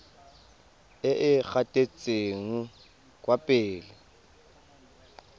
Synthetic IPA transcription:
ɪʔɪk͡xatʼet͡sʼeŋ̩ | kʼwapʼɪːlɪ

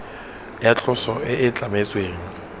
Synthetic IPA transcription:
jat͡ɬʼʊsɔʔɪʔɪt͡ɬʼamet͡sʼweːŋi

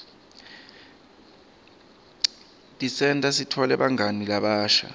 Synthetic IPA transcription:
tʼisɛntʼasitʰɔlɛɓaŋanilaɓaːʃa̰

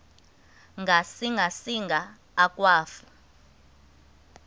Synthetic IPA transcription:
ŋɡʱasiŋɡʱasiŋɡʱaː | kʼwaːfu

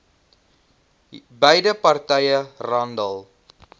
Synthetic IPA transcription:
bəjdəpɐrtɛjərɐndəlˠ

